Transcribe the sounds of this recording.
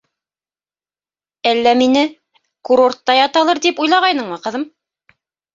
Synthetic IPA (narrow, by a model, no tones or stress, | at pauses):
ælːæminɘ | kuɾo̞rt̪ːɑjɑt̪ɑlˠɤɾt̪ipujlˠɑʁɑjnɤɴmɤqɤ̆ðɤm